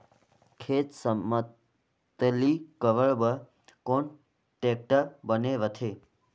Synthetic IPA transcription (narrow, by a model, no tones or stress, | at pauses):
kʰet̪səmə | t̪likəʋəɭbə | koɳ | ʈek̚ʈəbəneʋət̪ʰe